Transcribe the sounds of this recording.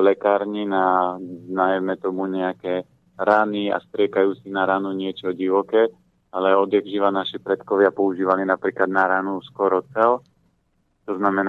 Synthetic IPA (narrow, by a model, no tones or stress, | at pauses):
lɛkaːɾɲinaznajɛmɛt̪ɔmuɲɛakɛː | ɾaːnia̰st̪ɾɪɛkajuːt͡sinaɾaːnuɲɪɛt͡ʃɔɟiʋɔkɛː | alɛɔd̪ɛɣʒiʋanaʃipɾɛt̪kɔʋɪapɔuʒiːʋalinapɾiːklad̪naɾaːnuskɔɾɔt͡sɛl | t̪ɔznamɛn